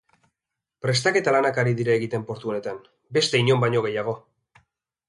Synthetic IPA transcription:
pɾe̞st̪ake̞t̪alanakaɾiðiɾaeɣit̪e̞mpo̞ɾt̪uo̞ne̞t̪an | be̞st̪e̞iɲo̞mbajɲo̞ɣ̞e̞jaɣ̞o̞

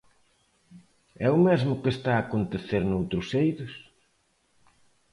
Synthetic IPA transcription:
ɛʊmezmʊkest̪aːkont̪eθeɾnowt̪ɾʊsejðʊs

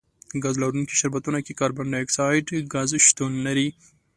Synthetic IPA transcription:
ɡazlaɾunkiʃaɾbat̪unakekɑɾbaɳɖaɪksɑjʈɡazʃt̪unːaɾi

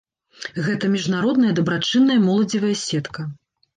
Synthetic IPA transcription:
ɣɛt̪ɐmʲiʐnaɾɔd̪nɐjɐd̪ɐbɾat͡ʂɨnːɐjɐmɔlˠɐd͡zʲivɐjɐsʲɛt̪kɐ

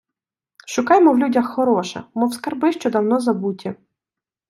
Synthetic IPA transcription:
ʃʊkɑjmɔwlʲudʲɐxːɔɾɔʃɛ̰mɔwskɐrbɪʃt͡ʃɔd̪ɐwnɔzɐbutʲɐ

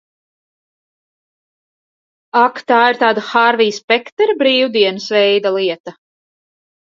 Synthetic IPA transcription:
akt̪aːiɾt̪aːd̪axaɾvijspɛkt̪ɛɾbɾiːwd̪iɛnɨsvɛjd̪alˠiɛt̪a

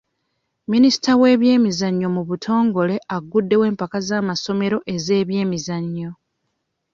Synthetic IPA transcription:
minisi̥tawe̞ːβje̞ːmizaɲːo̞muβutʰo̞ːŋɡo̞le̞ʔaɡudːe̞we̞ːmpakazaːmaso̞me̞ɾo̞ʔe̞ze̞ːβje̞ːmizaɲːo̞

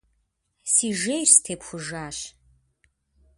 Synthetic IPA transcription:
siːʒejrstʰeːpxʷʊʒaːɕ

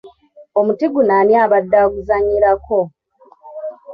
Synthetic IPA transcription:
o̞mutiɡunaːnjaːβadːaːɡuzaɲiɾako̞

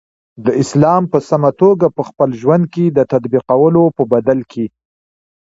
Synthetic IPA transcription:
d̪əɪslɑmpəsamat̪oɡapəxpəlʒwand̪̚ked̪ət̪ad̪biqawəlopəbad̪alkʰe

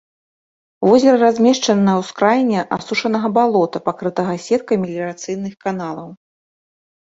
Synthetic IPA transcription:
vɔzʲɐɾɐrazʲmʲɛʂt͡ʂɐnɐjɐwskɾajnʲːɛʔasuʂɐnɐɣɐbalˠɔt̪ɐpakɾɨt̪ɐɣɐsʲɛt̪̚kɐmʲilʲɛɾat̪sɨjnɨxkanalˠɐw

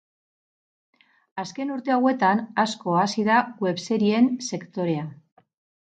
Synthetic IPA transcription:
aske̞nuɾt̪e̞awe̞t̪anasko̞asiðaɣwe̞βseɾie̞nse̞kt̪o̞ɾe̞a

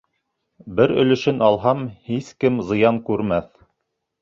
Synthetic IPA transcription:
bɘɾɵ̆lɵ̆ʃɘnɑlˠɦɑmhiskɘmzɤ̆jɑŋkʉɾmæθ

